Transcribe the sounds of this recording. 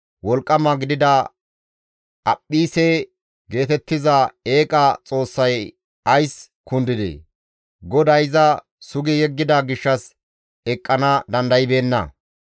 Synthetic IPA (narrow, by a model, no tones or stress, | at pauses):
wɔlkʼːɐmɐɡɪd̪ɪd̪ɐ | ɐpʼːiːsɛ | ɡe̞ːt̪ɛt̪ːɪzɐe̞ːkʼɐt͡sʼo̞ːsːɐj | ɐjs | kʊnd̪ɪd̪ɛ̰ | ɡɔd̪ɐjzɐ | sʊɡɪjɛɡːɪd̪ɐɡɪʃːɐs | ɛkʼːɐnɐd̪ɐnd̪ɐjɪbe̞ːnːɐ̰